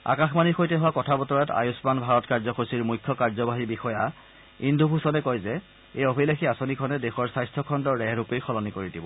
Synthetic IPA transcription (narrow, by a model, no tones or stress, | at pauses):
a̰kaxmanixojtɛɦʊwakɔtʰabɔtɔɹata̰jʊsmanbʱaɹɔtkaɹzɔxʰosiɹmujkʰːɔkaɹzɔbaɦibixɔja | indʱubʱusɔnɛkɔjzɛ | ejɔbʰʱilaxiasonikʰɔnɛdexɔɹsajstʰɔkʰɔndɔɹɹɛɹupejxʰɔlɔnikoɹidibɔ̰